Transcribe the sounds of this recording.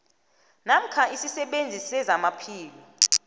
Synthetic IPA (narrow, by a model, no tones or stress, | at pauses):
nam̩kʰaisisɛɓend͡zʱisɛzamapʰiːli